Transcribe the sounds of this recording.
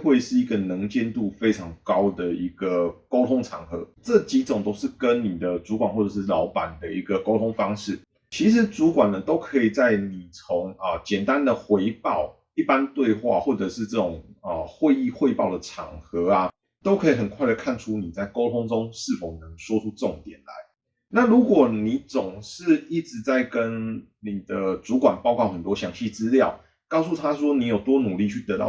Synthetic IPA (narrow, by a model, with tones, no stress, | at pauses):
xwe˥˩ɪ˨˩ʂɻ̩˥˩i˧˥ɡə˨nə˧˥ŋt͡ɕɛ˥˧nt̪u˥˩fe˥ɪʈ͡ʂʰɑ˧˥ŋkɑ˥ʊd̪ə˨i˧˥ɡ̥ə˨ko˥ʊt̪ʰo˥ŋʈ͡ʂʰɑ̰˨˩˦ŋxɤ˨˧˦ʈ͡ʂɤ˥˩t͡ɕi˨˥t͡sŋt̪o˥ʊʂɻ̩˥˩kə˦nni˨˩d̪ə˦t͡su˧˥kwa˨˩nxwɔ˥˩ɤ˨˩ʂɻ̩˥˩lɑ˧˥ʊpa˨˩nd̪ə˦i˧˥ɡə˧ko˥ʊt̪ʰo˥ŋfɑ˥ŋʂɻ̩˥˩ | t͡ɕʰi˧˥ʂ̬ɻ̩˧˥t͡su˨˥kwa˨˩nd̪ə˨t̪o˥ʊkʰɤ˧˥i˨˩t͡sa˥˩ɪni˨˩t͡sʰo˧˦ŋə˨t͡ɕjɛ˨˩nt̪a˦˥nd̪ə˨xwe˧˥ɪpɑ˥˩ʊ | i˥˩pa˦nt̪we˥˧ɪxwa̰˥˨xwɔ˥˩ʈ͡ʂɤ˨˩ʂɻ̩˥˧ʈ͡ʂɤ˥˩ʈ͡ʂʊ˨˩ŋə˩xwe˥˧ɪi˥˧xwe˥˧ɪpɑ˥˩ʊd̪ə˩ʈ͡ʂʰɑ̰˨˩ŋxɤ˨˧˦a˧ | t̪o˥ʊkʰɤ˧˦˥i˨˩xə˨˩nkʰwa˥˩ɪd̪ə˩kʰa˥˧nʈ͡ʂʰu˥ni˨˩t͡sa˥˩ɪko˥ʊt̪ʰo˥ŋt͡so˥˦ŋʂɻ̩˥˩fo˨˩ʊnə˨˦ŋswɔ˥ʈ͡ʂʰu˥ʈ͡ʂo˥˩ŋt̪jɛ˨˩nla̰˧˦ɪ | na˥˨lu˨˦˥kwɔ˨˩ni˨˦t͡sʊ˨˩ŋʂɻ̩˥˧i˥˩ʈ͡ʂɻ̩˧˥t͡sa˥˩ɪkə˦n | ni˨˩d̪ə˦t͡su˧˥kwa˨˩npɑ˥˧ʊkwɑ˥˩ʊxə˨˩nt̪wɔ˥ɕjɑ˧˥ŋɕi˥˩t͡sɹ̩˦ljɑ˥˨ʊ | kɑ˥˧ʊsu˥˩t̪ʰa˦wɔ˥ni˨˥jo˨˩ʊt̪wɔ˥nu˨˩li˥˧t͡ɕʰy˥˩t̪ɤ˧˥t̪ɑ̰˥˨˩